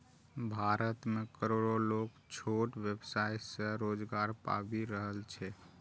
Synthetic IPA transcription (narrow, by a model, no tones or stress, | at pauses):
bʱaɾət̪mekəɾoɽolok | t͡ʃʰoʈʋebsajsəɾod͡ʒɡaɾpa̰biɾəɦəlt͡ʃʰɛ